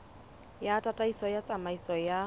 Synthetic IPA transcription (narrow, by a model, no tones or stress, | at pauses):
jaːtʼatʼaisɔjat͡sʼamaisɔja